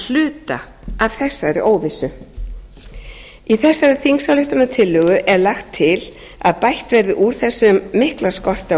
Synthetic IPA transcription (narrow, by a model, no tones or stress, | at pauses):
l̥ʏːt̪a | av̥θɛsːaɾɪʔoːwvɪsʏ | iθɛsːaɾɪθiŋsawlʏht̪ʏnat̪ʰɪlːʏɣʏʔɛɾlaxt̪ʰːɪl | a̰ðpajht̪vɛɾðɪʔuɾ̥θɛsːʏmːɪhklḁskɔr̥t̪a